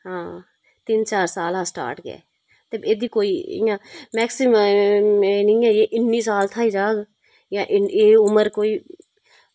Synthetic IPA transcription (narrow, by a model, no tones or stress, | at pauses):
ɦãː | t̪ɪnt͡ʃaːɾsaːlɦãːsʈa̰ːɾʈɡɛ̰ː | t̪ebeːd̪iːkoːiːɪ̰̃jãːmɛːksɪm | enĩːɛːeːʔɪnːiːsaːlt̪ʰaːiːd͡ʒaːɡ | jãːʔɪeːʊməɾkoːiː